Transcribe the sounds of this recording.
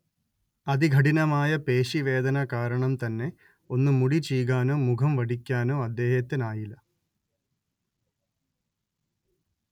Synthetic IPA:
ɐd̪iɡʱɐʈinɐmaːjɐpeːɕiʋe̞ːd̪ɐnɐkaːɾɐɳɐmt̪ɐnːe̞ | o̞nːumuɽit͡ɕiːɡaːnoːmukʰɐmʋɐɖikʲːaːnoːɐd̪ːe̞ːɦɐt̪ːɐnaːjilɐ

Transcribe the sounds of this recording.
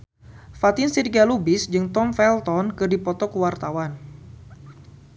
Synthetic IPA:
fat̪ɪnsirɡalubɪsd͡ʒɨŋt̪ɔmfɛlt̪ɔnkɨrdipɔt̪ɔkəwart̪awan

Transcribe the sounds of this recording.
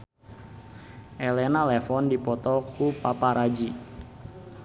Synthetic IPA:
ʔelɛnalɛfɔndipɔt̪ɔkupapaɾad͡ʒi

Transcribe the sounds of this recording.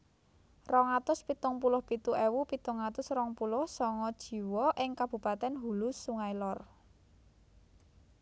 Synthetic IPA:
rɔŋat̪ʊspit̪ʊŋpulʊhpit̪uʔɛwupit̪ʊŋat̪ʊsrɔŋpulʊhsɔŋɔd̥ʒ̥i̤wɔʔɪŋkab̥ṳpat̪ɛnɦulʊsuŋajlɔr

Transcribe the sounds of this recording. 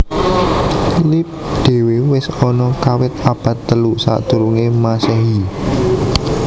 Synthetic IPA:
lip̚d̪̥e̤wewɪsɔnɔkawɪt̪̚ab̥ä̤t̪ːəlusa̰ʔd̪̥uɾuŋemasɛɦi

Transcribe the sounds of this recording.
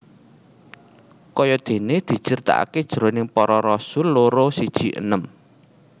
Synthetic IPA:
kɔjɔd̪̥e̤ned̪̥i̤t͡ʃərt̪a̰ʔa̰ked̥ʒ̥ɾonɪŋpɔɾɔɾɔsʊlːoɾosid̥ʒ̥i̤ʔə̰nəm

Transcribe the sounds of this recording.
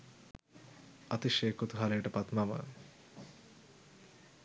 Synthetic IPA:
at̪iʃeːkot̪uɦaleʈɐpat̪mamə̰

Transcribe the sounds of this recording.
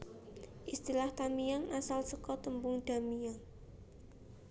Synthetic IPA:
ʔist̪ilaht̪amijaŋʔasalsəkɔt̪əmbʊŋd̪̥a̤mijaŋ

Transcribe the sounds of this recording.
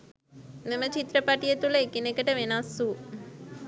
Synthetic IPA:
memət͡ʃit̪ɾəpaʈijet̪uləekinekəʈəʋenasːu

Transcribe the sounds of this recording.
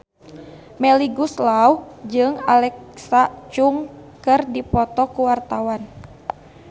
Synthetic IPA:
mɛliɡuslaud͡ʒɨŋalɛksat͡ʃuŋkɨrdipɔt̪ɔkuwart̪awan

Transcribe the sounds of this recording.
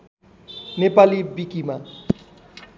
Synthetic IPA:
nepalibikima

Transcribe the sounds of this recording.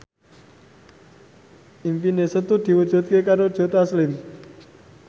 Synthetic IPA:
infinesət̪ud̪̥i̤wud̥ʒ̥ṳt̪̚kekaɾod̥ʒ̥o̤t̪aslɪm

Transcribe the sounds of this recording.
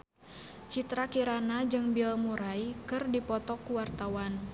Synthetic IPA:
t͡ʃit̪ɾakiɾanad͡ʒɨŋbilmuɾaikɨrdipɔt̪ɔkuwart̪awan

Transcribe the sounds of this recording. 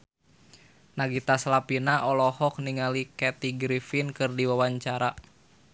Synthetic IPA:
naɡit̪aslapinaʔɔlɔhɔk̚niŋalikɛt̪iɡɾifinkɨrdiwawaɲt͡ʃaɾa

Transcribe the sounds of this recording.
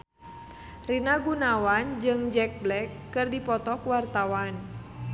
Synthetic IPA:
rinaɡunawand͡ʒɨŋd͡ʒɛk̚blɛkːɨrdipɔt̪ɔkuwart̪awan

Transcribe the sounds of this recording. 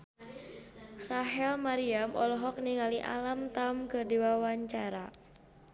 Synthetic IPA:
raɦɛlmaɾiamʔɔlɔɦɔk̚niŋaliʔa̰lamt̪amkɨrdiwawaɲt͡ʃaɾa

